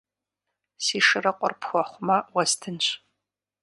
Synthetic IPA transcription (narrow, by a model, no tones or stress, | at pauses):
siːʂɨrɐqʷʼɔ̰rpʰxʷɔχʷʊmɐwɐstʰɨnɕʼ